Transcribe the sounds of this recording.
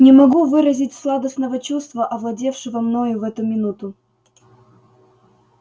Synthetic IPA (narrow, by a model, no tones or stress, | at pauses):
nʲɪmɐɡuvɨɾəzʲɪtʲslˠad̪əsnəvət͡ɕust̪vəʔɐvlˠɐdʲe̞fʂɨvəmnojʊvɛt̪ʊmʲɪnut̪ʊ